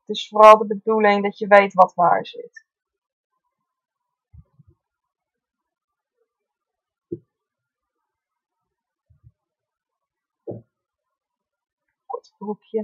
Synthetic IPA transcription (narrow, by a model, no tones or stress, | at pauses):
tɪsforɑlˠdəbədulɪŋdɑtjəʋejtʋɑtʋa̰ːɹzɪ̰t | ɔtbrupʰjə